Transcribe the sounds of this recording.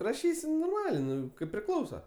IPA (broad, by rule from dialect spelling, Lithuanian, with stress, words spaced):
rɐˈʃʲiːsʲɪ noːrˈmɑːlʲeː ˈnʊ kɐɪp pʲrʲɪˈklˠɐʊsɐ